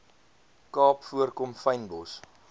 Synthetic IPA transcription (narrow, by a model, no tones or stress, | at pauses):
kɑːpfuərkɔmfɐjnbɔs